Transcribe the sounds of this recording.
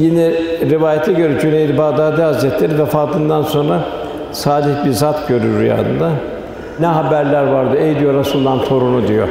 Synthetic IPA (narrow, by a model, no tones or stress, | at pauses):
jinɛɾivaːjat̪ʰɛɟøɾɛd͡ʒynejd̪ɛbaːd̪aːd̪ɛazɾɛt̪lʲeɾivɛfaːt̪ʰɯnd̪anso̞nɾa | saːd̪içbiɾzat̪ɟø̞ɾyɾːyja̰ːd̪ɯ̰nd̪a | nɛɦabæɾlʲæɾvaɾd̪ɯejd̪ijoɾasɯmˠd̪anso̞ɾunud̪ijo̰